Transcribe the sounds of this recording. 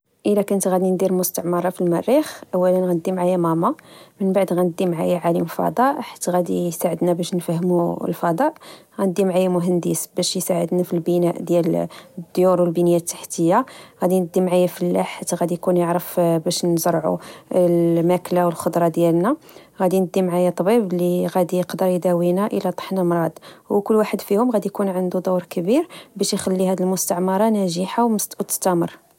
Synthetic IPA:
ʔəlækænət̪ɣæd̪ind̪iɾmʊst̪ɑʕməɾˤɑfilmærːixʔæwːælənɣænəd̪ːimʕajæmæmɑmənbaʕd̪ɣænəd̪ːimʕajaʕalimfɑ̰d̪ˤɑʔħḁt̪ːɣæd̪ijsaʕəd̪næbæʃnfæhːmulfɑd̪ˤɑʔɣænəd̪ːimʕajæmʊɦænd̪əsbæʃjsaʕə̰d̪næfilbənæʔd̪jæld̪ːjuɾwəlbinəjæt̪ːḁħt̪əjːaɣæd̪inəd̪ːimʕajæfəlːaħat̪ːɣæd̪ijkunjəʕɾəfbæʃnzəɾˤʕṵlmæklawəlxod̪ɾˤɑd̪jælnæ | ɣæd̪inəd̪ːimʕajat̪ˤɑbibliɣæd̪ijəqd̪əɾjd̪æwinaʔəlæt̪ˤə̥ħnamɾˤɑd̪wkʊlːwaħəd̪fihʊmɣæd̪ijkunʕənd̪ud̪uwɾkəbiɾbæʃjxælːihæd̪əlmʊst̪əʕmɑɾˤɑnæʒiħawwt̪ə̥st̪æməɾˤ

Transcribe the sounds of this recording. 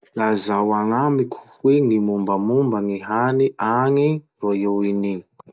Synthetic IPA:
lazawaŋamikʲʰu̥weŋimumbəmumbaŋiɦaniʔaŋi | rojewini

